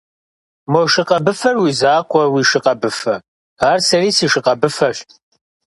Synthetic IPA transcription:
mɔʃɪqɐbɨfɐrwizaːqʷʼɔwiːʃɪqɐbɨfɐ | aːrsɐriːsiːʃɪqɐbɨfɐɕtʰʼ

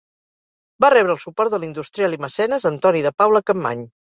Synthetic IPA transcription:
barɛβ̞ɾəːlˠsupɔɾt̪̚d̪əlind̪ust̪ɾialiməsɛnəzənt̪ɔniðəpawləkəmːa̰ɲ

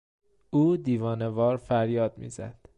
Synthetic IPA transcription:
ʔuːd̪iːvɒːne̞vɒːɾfæɾjɒːd̪̚mḭːzæ̰d̪̥

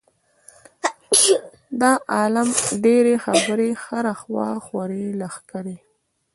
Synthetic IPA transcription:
d̪ɑʔɑlamɖeɾexaabəɾexaɾaxwɑ̰xwaɾelaxkaɾe

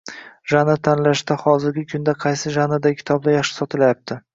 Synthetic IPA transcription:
ʒanat̪ʰanlaʃd̪ahɒzɪɾɡʲɪkʲʰʊnd̪aqʰɑjsɪʒanad̪aɪkʲʰɪ̥t̪ʰɒb̚d̪ajɑχʃɪ̥sɒt̪ʰɪlajap̚t̪ʰɪ

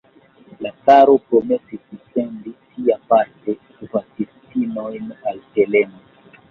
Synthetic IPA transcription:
lakaɾopɾomesiskusɛndisiapaɾte | vasistinojnalteleno

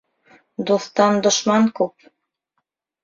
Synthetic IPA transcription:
d̪uθt̪ɑnd̪ŏʃmɑŋkʉp̚

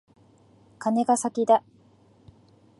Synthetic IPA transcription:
kane̞ɡasakʲid̪a

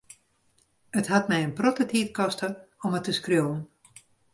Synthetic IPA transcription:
ətɦatmɛjənprotətʰiːtkɔstəɔmətəskrjoːən

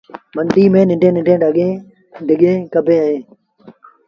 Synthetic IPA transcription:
mənd̪iːmẽːnɪɳɖʱẽːnɪɳʈẽːɖəɠẽː | ɖʱɪɠẽːkəbʱẽːəɦẽː

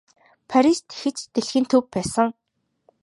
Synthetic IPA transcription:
pʰaɾist̪xĕt͡ɕt̪eɮxɘ̆nt̪ʰɵpːæːsə̆ŋ

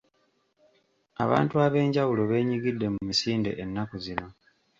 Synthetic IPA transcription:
a̰βa̰ːntuaβe̞ːɲɟawulo̞βe̞ːɲiɡidːe̞mumisiːnde̞̰ʔenːakuzino̞

